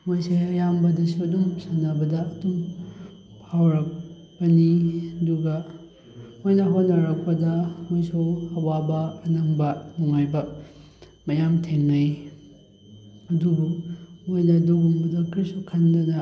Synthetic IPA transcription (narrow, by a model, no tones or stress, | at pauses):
mojseɐjambɐdɐsuɐdumsɐnːɐbɐdɐɐdum | pʰawɾɐk̚ | bɐniɐduɡɐ | mojnɐɦotnːɐɾɐk̚pɐdɐmojsuɐwabɐːnɐŋbɐnuŋajbɐ | mɐjamtʰeŋnɐj | ɐdubumojnɐduɡumbɐdɐkɾisukʰɐndɐdɐ